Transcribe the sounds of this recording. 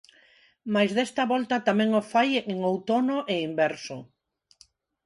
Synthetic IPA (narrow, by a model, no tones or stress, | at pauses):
majzðɛst̪aβɔlt̪ɐt̪amɛ̃ŋofajeŋowt̪onoʔeimbɛɾso